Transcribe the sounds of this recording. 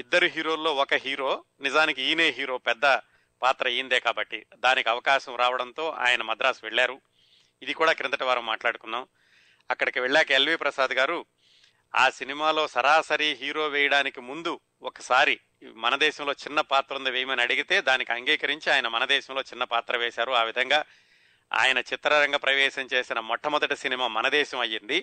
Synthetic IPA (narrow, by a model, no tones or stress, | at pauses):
id̪ːɐɾiɦiːɾo̞ːlːo̞ːɔkɐɦiːɾoː | nizaːnikiiːneːɦiːɾo̞ːpɛd̪ːɐ | paːt̪ɾɐijind̪eːkaːbɐʈːid̪aːnikiɐʋɐkaːʃɐmɾʔaːʋɐɽɐnt̪o̞ːʔa̰ːjɐnɐmɐd̪ɾaːsuʋɛɭːaːɾu | id̪ikuːɽaːkɾɐnt̪ɐʈɐʋaːɾɐmːaːʈlaːɽukunːaːm | ɐkːɐɽɐkiʋɛɭːaːkɐelʋiːpɾɐsaːd̪ɡaːɾu | a̰ːsinimaːlo̞ːsɐɾaːsɐɾiɦiːɾo̞ːʋɛːjɐɽaːnikimund̪u | ɔkɐsaːɾi | mɐnɐd̪ɛːʃɐmlo̞ːt͡ʃinːɐpaːt̪ɾund̪ɐʋeːjɐmɐniɐɽiɡit̪e̞ːd̪aːnikiɐŋɡiːkɐɾiɲt͡ʃiaːjɐnɐmɐnɐd̪ɛːʃɐmlo̞ːt͡ʃinːɐpaːt̪ɾɐʋeːʃaːɾuaːʋid̪ʱɐŋɡaː | a̰ːjɐnɐt͡ʃit̪ːɾɐɾɐŋɡaːpɾɐʋɛːʃɐɲt͡ʃe̞ːsinɐmɔʈːɐmɔd̪ɐʈisinimaːmɐnɐd̪ɛːʃɐmɐjːind̪i